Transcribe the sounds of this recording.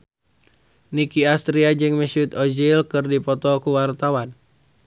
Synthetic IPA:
nikiast̪ɾiad͡ʒɨŋməsiut̪ɔd͡ʒilkɨrdipɔt̪ɔkuwart̪awan

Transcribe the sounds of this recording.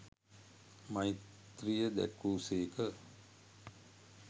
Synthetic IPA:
majt̪rijəd̪æ̰kːuːseːkə

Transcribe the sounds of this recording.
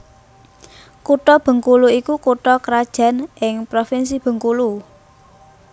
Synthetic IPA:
kuʈɔb̥ə̤ŋkuluikukuʈɔkɾad̥ʒ̥ä̤nʔɪŋpɾofins̬ib̥ə̤ŋkulu

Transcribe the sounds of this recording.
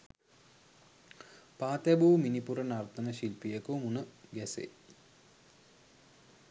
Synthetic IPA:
paːt̪æbuːminipuɾənart̪ənəɕilpijəkumunəɡæsḛ

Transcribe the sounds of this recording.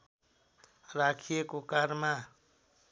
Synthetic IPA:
ɾakʰijekokaɾma

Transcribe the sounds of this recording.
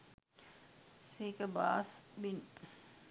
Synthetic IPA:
sikəba̰ːsbin

